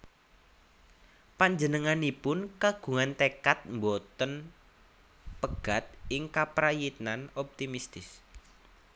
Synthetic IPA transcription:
paɲd͡ʒənəŋanipʊnkaɡ̥ṳŋant̪ekat̪̚mbot̪ən | pəɡ̥a̤t̪̚ɪŋkapɾajit̪̚nanɔp̚t̪imist̪ɪs

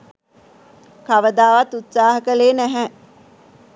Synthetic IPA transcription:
kaʋəd̪aːʋat̪ut̪saːɦəkəleːnæɦɛ

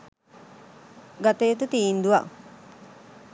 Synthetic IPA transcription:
ɡat̪eːt̪ut̪iːnd̪uʋa̰

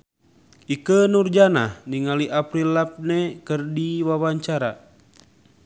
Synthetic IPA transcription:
ʔikənurd͡ʒana̰hniŋaliʔapɾilːap̚nɛkərdiwawaɲt͡ʃaɾa

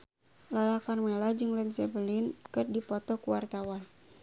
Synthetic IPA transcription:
lalakanmelad͡ʒɨŋlɛnsɛbəlinkɨrdipɔt̪ɔkuwart̪awan

